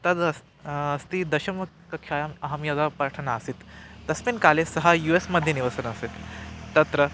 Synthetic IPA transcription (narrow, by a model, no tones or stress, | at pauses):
t̪ɐd̪ɐs | ɐst̪id̪ɐɕɐm | kɐkʰajamɐɦɐmjad̪apɾaʈʰənaːsit̪ːɐsminkalesɐɦajuesməd̪ʱjeniʋəsənəset̪ːɐt̪ɾə